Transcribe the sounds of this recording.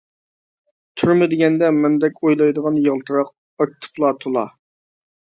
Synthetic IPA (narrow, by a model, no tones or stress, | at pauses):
t̪ʰyɾmɪd̪ɪɡʲɛnd̪ɛmɛnd̪ɛkʲojlˠɑjd̪əʁɑnjəʁlˠt̪ʰɨɾɑq̚ | ɑk̚ʲt̪ʰɨ̥pʰlˠɑt̪ʰolˠɑ̰